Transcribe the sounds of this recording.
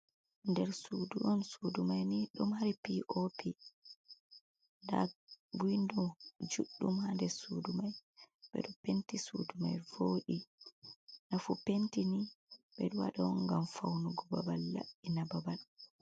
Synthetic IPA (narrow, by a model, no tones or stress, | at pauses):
ndɛɾsuduʔɔnsudumajniɗɔmhaɾipiʔopi | nda̰ɡindɔd͡ʒuɗːumhandɛsudumajɓɛ̰ɗɔpentisṵduma̰jvoːɗi | nafupentiniɓɛɗuwa̰ɗɔŋɡamfawnuɡɔbabalːa̰ɗinababal